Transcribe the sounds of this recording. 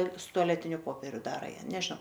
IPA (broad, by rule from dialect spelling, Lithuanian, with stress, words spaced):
sʊ tʊɐˈlʲæːtʲɪnʲʊ ˈpoːpʲɛrʲʊ ˈdɑːrɐ ˈjæː nʲɛʒnɐʊ